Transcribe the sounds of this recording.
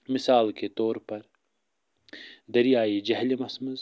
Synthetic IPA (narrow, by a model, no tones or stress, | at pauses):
mɪsaːlket̪oːɾpɐɾ | d̪ɐɾijaːid͡ʒɐɦlimɐsməz